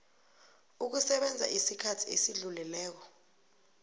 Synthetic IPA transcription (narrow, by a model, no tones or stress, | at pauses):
uk̬usɛɓɛnd͡zʱa̰ʔisikʰatʰiesiɮulɛlɛːk̬ɔ̥